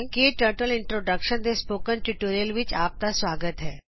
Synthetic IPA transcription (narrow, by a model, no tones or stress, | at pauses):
ŋkiʈəɾʈəliɳʈɾoɖəkʃənd̪espokənʈuʈoɾijəlʋit͡ɕap̚t̪asʋaɡət̪ɦɛ